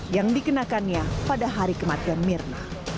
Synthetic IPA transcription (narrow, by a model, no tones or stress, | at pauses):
jaŋdikənakanɲapadaɦaɾikəmat̪ianmirna